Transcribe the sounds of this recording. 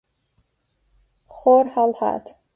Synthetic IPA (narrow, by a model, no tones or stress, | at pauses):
χorħalħa̰tʰ